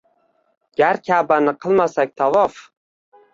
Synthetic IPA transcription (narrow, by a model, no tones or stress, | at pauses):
ɡʲaɾkʲʰabanɪqʰɨlˠmasak̚ʲt̪ʰavɒf